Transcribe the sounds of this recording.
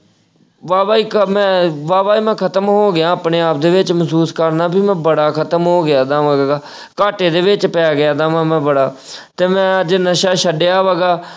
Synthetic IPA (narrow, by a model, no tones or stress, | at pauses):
ʋaːʋaːiːkmɛ̃ːʋaːʋaːiːmɛ̃ːkʰət̪əmɦoːɡɪjãːəpɳeːaːp̚d̪eːʋɪt͡ʃməsuːskəɾnaːbiːmɛ̃ːbəɽaːkʰət̪əmɦoːɡɪjaːd̪ãːʋaːɡɡaː | kaːʈeːd̪eːʋɪt͡ʃpɛːɡɪjaːd̪aːmãːmɛ̃ːbəɽaːt̪eːmɛ̃ːəd͡ʒnəʃaːʃəɖejaːʋaːɡaː